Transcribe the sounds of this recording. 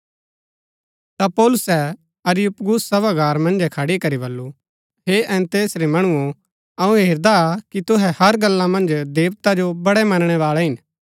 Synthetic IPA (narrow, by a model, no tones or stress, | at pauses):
t̪apɔːlʊsɛ | ɐɾjʊpɡʊsːɐbaɡaːɾmɐ̃nd͡ʒɛkʰɐɽikɐɾibɐlːu | ɦeʔɛ̃ːnt̪eːsɾemɐɽ̃uõ | ɐũɦeːɾd̪akit̪ʊɦɛhɐɾɡɐlːãmɐ̃nd͡ʒd̪eːʋt̪ad͡ʒobɐɽɛmɐnɽ̃ɛʋaːɭɛɦɪn